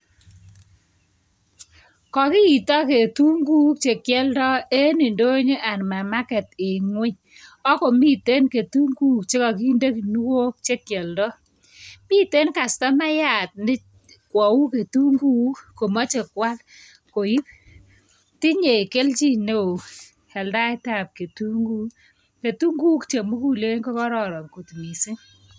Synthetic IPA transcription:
kɔ˨ki˦i˨tɔ˦ke˨tu˦ŋɡu˦k̚t͡ʃe˨kjɛ˦ldɔ˦e˦ni˨ndo˦ɲe˦ʔa˨nma˨ma˦kɛ˨te˨ŋwe˦ɲ | ɔ˦ko˨mi˦te˦nke˨tu˦ŋɡu˦k̚t͡ʃe˦kɔ˨ki˦nde˦ki˨nu˦wo˦k̚t͡ʃe˦kjɛ˨ldɔ˦ | mi˦te˦nka˨sta˦ma˦ja˦˨t̚nɪ˦ | kwɔ˨wu˦ke˨tu˦ŋɡu˦ko˨mɔ˦t͡ʃe˨kwa˦l | ko˨i˦p̚ | ti˦ɲe˨ke˦lt͡ʃi˦ne˦u˨ | hɛ˨lda˦jta˦˨p̚ke˨tu˦ŋɡu˦ | ke˨tu˦ŋɡu˦kt͡ʃe˨mu˦ku˦le˦kɔ˦kɔ˦ɾɔ˨ɾɔ˨ŋko˨tmi˨si˦ŋ

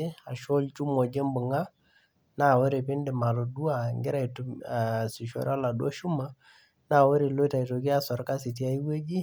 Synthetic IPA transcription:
e˦a˨ʃo˦lt͡ʃu˦mɔ˨d͡ʒe˦mbʊ˨ŋa˦ | na˦˨we˦ɾe˨pɪ˦ndɪ˨ma˨ɾo˨du˦a˨ŋɡɪ˦ɾa˦jtu˨si˨ʃo̰˨ɾa˦la˨du˦a˦ʃu˦ma˦ | na˦˨wo˦ɾe˨lo˦ta˨i˨to˨ki˦a˦sɔ˨ɾka˦sɪ˨t̬ja˦i˦we˦d͡ʒi˦

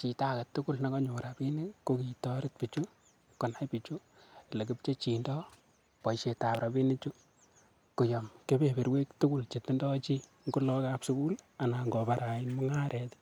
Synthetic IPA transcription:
t͡ʃi˨ta˦ka˨tːʊ˦ku˦lna˨kɔ˦ɲo˨ɾa˨bi˦nɪ˦ko˦ki˨tɔ˦ɾɪ˦t̚pi˨t͡ʃu˦ | kɔ˨na˦jpi˨t͡ʃu˦ | le˨k̬ɪ˦pt͡ʃe˦t͡ʃi˨ndɔ˦ | pɔ˨ʃe˨ta˨pɾa˨bi˦nɪ˦t͡ʃʊ˦ | kʊ˨jɔmke˦be˨be˨ɾwe˦ktʊ˦ɡʊ˦lt͡ʃe˨tɪ˦ndɔ˦t͡ʃi˦ | ŋɡo˦lɔ˦ka˦psu˦ku˦l | a˨na˨ŋɡɔ˨ba˨ɾa˨ɪ˦nmɔ˦ŋa˦ɾʔɛ˨ti̥

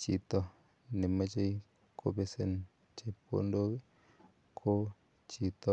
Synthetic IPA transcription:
t͡ʃi˨t̪ɔ˨ | ne˨ma˦t͡ʃe˦i˦ | kʰo̰˦be˦se˨n | t͡ʃe˨pʰo̰˦ndo˦ | kʰo˦ | t͡ʃi˨t̪ɔ˨

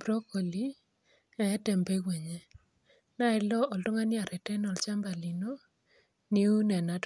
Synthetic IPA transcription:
bɾo˦ko˨li˦ | a˨ɛ˦tɛ˨mbe˦kwe˨ɲe˦ | na˦ɪ˦˨lɔ˦ʔɔ˨ltɔ˦ŋa˦nɪ˦a˨ɾɛ˨tɛ˦nɔ˨lt͡ʃa˦mba˨li˨no˦ | ni˦u˦nɛ˨na˨t

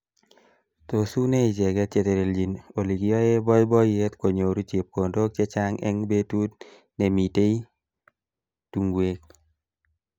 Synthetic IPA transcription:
t̪o˨su˦ne˦i˨d͡ʒɛ˨ɡɛ˦t͡ʃe˦t̪e˨ɾe˨ld͡ʒi˨no˨li˨ɡiɔ˦e˦bɔ˦jbɔ˦je˦t̪ko˨ɲo˨ɾu˦t͡ʃe˨p̚ko˨ndo˦k̚t͡ʃɛ˦t͡ʃa˦ŋɛ̰˦ŋbe˦tu˦t | ne˨mi˨te˦i˦ | tu˨ŋɡwe˦k̚

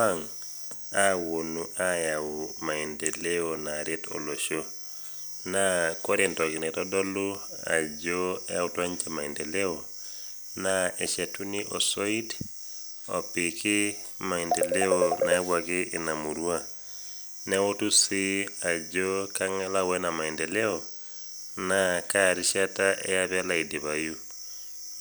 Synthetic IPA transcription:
ma˦ŋ | awo˨nuʔa˦jawuma˨i˨nde˨le˦onaɾetɔ̰˨lo˨ʃo | nakɔ˦ɾentɔ˨ki˨nɛ˨tɔ˦dɔ˦lu˦ | a̰˨d͡ʒɔ˦a˦wutwa˦ɲt͡ʃɛ˦ma˨indɛ˨le˦o | naɛ˨ʃe˨tu˦ni˦ʔɔ̰˨soi˦t | ɔ̰˨pɪ˨kɪ˦ma˨indɛ˨lɛ˦ɔna˨a˦βwa˨kɪʔɪ˨na˨mu˨ɾwa˦ | nɛ˦wo˦tu˦sɪ˦a˨d͡ʒɔ˦ka˦ŋɛ˦la˦wɛ˦na˨ma˨i˨ndɛlɛ˦ɔ˨ | nakaɾi˦ʃa˦ta˦ʔɛ̰˦ja˦βa˦la˨ide˨βa˨ju˦

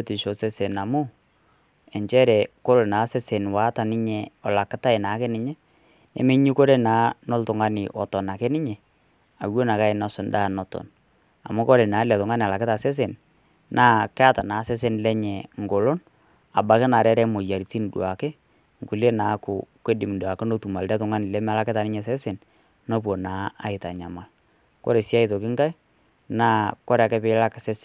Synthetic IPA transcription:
o˦ti˨ʃo˨se˦se˨na˨mʊ˦ | ɛ˨ɲt͡ʃɛ˦ɾɛ˨ko˦ɾo˨na˨˦se˦se˨nwa˨˦ta˨nɪ˦ɲɛ˨ɔ˨la˨kɪ˦ta˦ɪ˨na˨˦kɛ˦nɪ˦ɲɛ˦ | nɛ̰˨me˦ɲi˦ko˦ɾe˦naː˨˦nɔ˦ltʊ˨ŋa˦nɪ̰˨ʔɔ˨tɔ˨na˨kɛ˦nɪ˦ɲɛ˨ | a˨wo˦na˨ka˦ɪ˨na˦sʊ˨ndaː˦˨nɔ˦tɔ̰˨n | a̰˨mʊ˦ko˦ɾe˨naː˨˦lɛ˨ðʊ˨ŋa˦n˨a˨la˨kɪ˦ta˨se˦s̬e˨n | nʔaː˦kɛ˦a˦ta˨naː˨˦sɛ˦s̬e˦nlɛ˦ɲɛ˨ŋ˨ɡo˨lo˦n | a˨ba˨kɪ˦na˨ɾɛ˦ɾɛ˦mo˨ja˨ɾi˨ti˦n˨dwa˨kɪ˦ | ŋku˨le˦na˨˦kʊ˨kʷe˦dɪ˨mndwa˨kɪ˦no˦tu˨ma˨ldɛ˦tʊ˨ŋa˦nɪ˨lɛ˦ma˦la˦kɪ˦ta˨nɪ˦ɲɛ˨s̬ɛ˦se˨n | no˦p̬wo˨naː˨˦a˦ɪ˨ta˨ɲa˨ma˨l | ko̰˦ɾe˨si˦a˦ɪ˨to˨kɪ˦ŋka˦j | naː˦kɔ˦ɾkɛ˦pɪ˦la˦ksɛ˦s

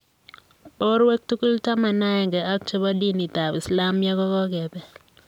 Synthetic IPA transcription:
bɔ˦ɾwe˦k̚tu˦ku˦lta˦ma˨na˦ɛ˨ŋɡɛ˨a˦k̚t͡ʃɛ˦bɔ˦di˦ni˨t̪a˨bɪ˨sla˦mjɛ˦ɡɔ˦kɔ˦ɡɛ˨bɛ˨

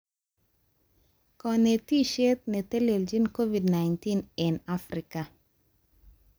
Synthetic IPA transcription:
kɔ˨ne˨ti˦ʃe˦t̪̚nɛ˨tɛ˦le˨ld͡ʒi˦nko˦vi˨dna˨jnti˦nɪ˨nafɾɪ˨ka˨

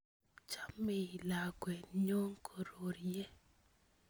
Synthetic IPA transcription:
t͡ʃa˦mːe˨i˨la˨kwɛ˨ɲo˦ŋkʰo˨ɾo˨ɾjɛ˦

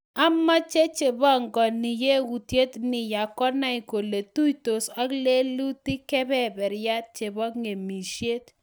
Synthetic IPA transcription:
a˦ma˦t͡ʃe˦t͡ʃe˨bɔ˦˨ŋɡɔ˨nɪ˨je˦wu˨tje˦tnɪ˨ja˨kɔ˦na˦i˨ko˨le˨tu˦jto˨sa˦kle˦lu˦ti˦kɛ˦bɛ˦bɛ˨ɾja˦t̚t͡ʃe˨bɔ˦ŋe˨mi˨ʃje˦t

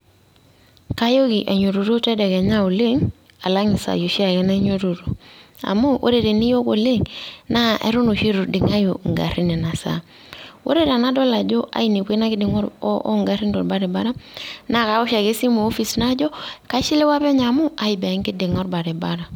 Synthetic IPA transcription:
ka˦jo˦ki˨ʔa˨ɲo˨ɾu˨ɾo˦tɛ˦de˨ke˨ɲa˦o˨le˦ŋ | a˨la˦ŋi˨sa̰˨jo˨ʃi˦a˨ke˦na˦ɲo˦ɾo˨ɾo˨a̰˨mu˦wʔo̰˦ɾe˨ɾe˨ni˦jo˦ko˨le˦˨ŋna˦ḛ˦ɾu˦no˨ʃi˦ɾu˨dɪ˨ŋa˦jo˨ŋɡa̰˨ɾi˦nɛ˨na˨sa̰˦ | wʔo̰˦ɾe˦ɾa˨na˦dɔ˦la˨d͡ʒo˦ʔa̰˦i˦ni˨ke˦na˦ɡɪ˦dɪ˨ŋo˦ɾʔŋɡa˨ɾi˦ndo˨ɾba˦ɾɛ˨ba˦ɾa˦na˦˨ka˨˦u˦ʃa˨ke˦si˦mu˨o˦fi˨sna˦d͡ʒo˦ka˦ʃi˦le˦wa˦pe˦ɲa˨mu˦a˨i˨be˨˦ŋkɪ˦dɪ˨ŋɔ˦ɾba˨ɾe˨ba˦ɾa˨

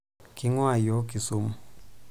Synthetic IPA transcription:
ki˦ŋwa˦˨jɔ˨˦ki˨su˦m˦

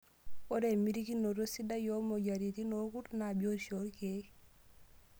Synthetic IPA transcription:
o˦ɾe˨mi˦ɾiki˦no˨ɾo˦si˦da˦jo˦mo˨ɟa˨ɾi˨t̪i˦no˦ku˦tna˨bjo˦so˦ɾke˨˦

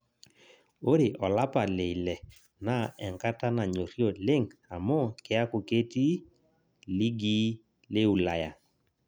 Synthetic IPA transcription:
o˦ɾe˨ʔɔ˨la˦pa˨le˨i˨lɛ˨ | na˨ɛ˨ŋka˦ta˦na˨ɲo˨ɾi˦o˨lɪ˦ŋa˨mɔ˦kɪ˦a˦kʊ˨ke˦ti˦ | li˦ɡi˦ | le˦u˨la˨ja˨

